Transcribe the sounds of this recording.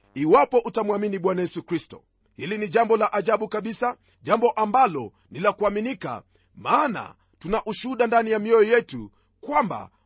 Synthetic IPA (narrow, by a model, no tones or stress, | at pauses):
iwapɔʔutamwaminiɓwanajɛsukɾistɔ̰ | hiliniʄambɔlaʔaʄaɓukaɓisa | ʄambɔʔambalɔ | nilakuaminika̰ | maːna̰ | tunaʔuʃuɗandanijamiɔjɔjɛtu | kwamba̰